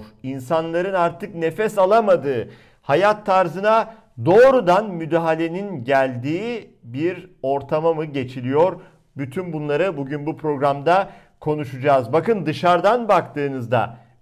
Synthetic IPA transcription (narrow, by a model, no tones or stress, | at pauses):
ɾinsanlˠaɾɯnaɾt̪ɯkne̞fɛsalˠamad̪ɯː | hajat̪ʰːaɾzɯna | d̪o̞ːɾud̪anmyd̪aːɦalʲe̞ninɟælʲd̪iːbiɾo̞ɾt̪ʰamamɯɟe̞t͡ʃʰilʲijoɾ | byt̪ʰynbunlˠaɾɯbuɟynbupʰɾo̞ɡɾamd̪a | kʰo̞nuʃud͡ʒaːzbakɯnd̪ɯʃaɾd̪anbakt̪ʰɯːnɯzd̪a̰